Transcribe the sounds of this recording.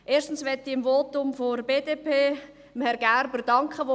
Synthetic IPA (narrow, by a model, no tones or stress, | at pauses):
ʔeːʃtən̩sʋɛtːiɪmvoːtʊmfoɾbeːdepeː | mhɛɾɡ̥æɾbəɾdɑŋkχəʋo